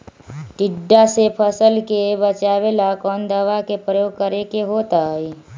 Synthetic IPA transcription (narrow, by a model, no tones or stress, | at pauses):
ʈɪɖːasepʰəsəlkebət͡ʃaːbelakɔːnd̪əʋakepɾəjoːɡ̚kəɾekeɦoːt̪aɦi